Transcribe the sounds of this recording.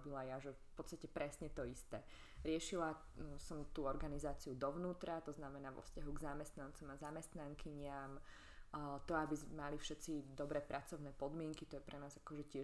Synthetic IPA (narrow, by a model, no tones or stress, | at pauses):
bilajaʒɛfpɔt̪t͡st̪acɛpɾɛsɲɛt̪ɔist̪ɛː | ɾɪɛʃila | sɔmt̪uːɔɾɡanizaːt͡siud̪ɔʋnuːt̪ɾat̪ɔznamɛnaːʋɔ̰fscaɦuɡzamɛst̪nant͡sɔmazamɛst̪naŋkiɲɪam | t̪ɔabizmalifʃɛt̪t͡sid̪ɔbɾɛːpɾʔat͡sɔʊnɛːpɔd̪mɪɛŋkit̪ɔjɛpɾʔɛnaːzakɔʒɛcɪɛ